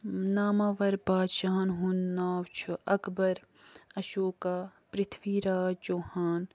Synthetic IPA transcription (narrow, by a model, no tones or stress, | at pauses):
naːmaːʋɐɾbaːt̪ʃaːnɦunːaːwt͡ʃʰuɐkbɐɾ | ɐʃoːkaːpɾɪt̪ʰʋiːɾaːd͡ʒoːhaːn